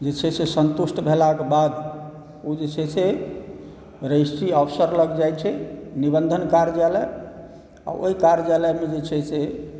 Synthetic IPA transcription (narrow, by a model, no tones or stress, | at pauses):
d͡ʒet͡ʃʰɛsesənt̪usʈbʱelakebad̪ | ud͡ʒet͡ʃʰɛse | ɾəjsiəpʰsəɾləɡd͡ʒajt͡ʃʰɛnibənd̪ʱənkaɾd͡ʒalɛ | a̰ʔo̰ɦikaɾd͡ʒalɛmed͡ʒet͡ʃʰɛse